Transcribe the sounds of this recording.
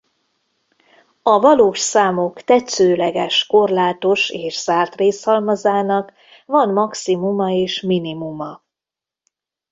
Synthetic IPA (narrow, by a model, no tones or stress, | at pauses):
ɒvɒloːʃsaːmo̞kt̪ɛt̪søːlɛɡɛʃko̞rlaːt̪o̞ʃeːʃz̥aːrt̪reːshɒlmɒzaːnɒk | vɒnmɒksimumɒeːʃminimumɒ